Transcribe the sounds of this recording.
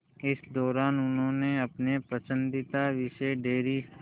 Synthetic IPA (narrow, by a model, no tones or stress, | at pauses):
ɪsd̪ɔːɾaːnʊnɦõːneɐpnepɾɐsə̃nd̪ɪt̪aʋɪʃeɖeːɾi